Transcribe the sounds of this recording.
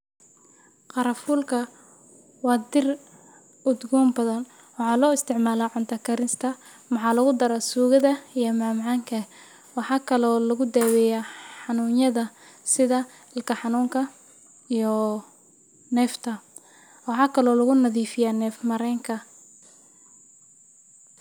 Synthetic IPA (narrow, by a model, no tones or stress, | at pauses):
qɑɾɐfuːlkʰɐ | wɑːd̪ɪr | ʊd̪ɡɔːmbɐðɐn | wɑħɑːlɔːɪst̪ʰɪʕmaːlaːʕʊnt̪ʰɐkʰɐɾɪnst̪ʰɐ | mɑħɑːlɐɣʊd̪ɐɾasuːɣɐðɐijɔmaːmʕɑːŋkʰɐ | wɑħɑːkʰɐlɔːlɐɣʊd̪ɛːwɛjaːħɑnuːnjɐðɐ | sɪðɐ | ɪlkʰɐħɑnuːŋkʰɐ | ijɔ | nɛːft̪ʰɐ | wɑħɑːkʰɐlɔːlɐɣʊnɐðiːfɪjaːnɛːfmɐɾɛːŋkʰɐ